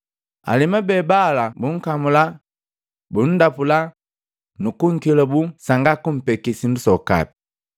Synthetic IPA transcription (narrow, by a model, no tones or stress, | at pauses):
a̰limabɛbalabuŋ̩kamula | bun̩dapula | nukuŋ̩kilabusaŋɡakum̩pɛkisindusɔka̰pi̥